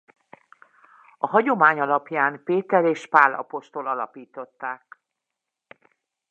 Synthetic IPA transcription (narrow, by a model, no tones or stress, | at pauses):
ɒɦɒɟo̞maːɲɒlɒpjaːnpeːt̪ɛɾeːʃpaːlːɒ̰po̞ʃt̪olɒlɒpiːt̪o̞t̪ːaːk